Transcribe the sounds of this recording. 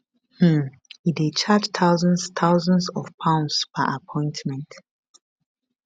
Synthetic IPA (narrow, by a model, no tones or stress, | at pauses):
mm̩ | idet͡ʃʰad͡ʒt̪ʰaʊzə̃nst̪ʰaʊzə̃nsɔv̥pʰãʊ̃ndspʰə̰ʔapʰɔ̃ɪ̃ntmɛ̃nt